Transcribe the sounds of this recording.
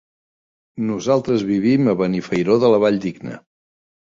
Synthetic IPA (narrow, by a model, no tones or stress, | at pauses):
nuzalˠt̪ɾəzβiβiməβənifəjɾoðələβaʎd̪iɡnə̰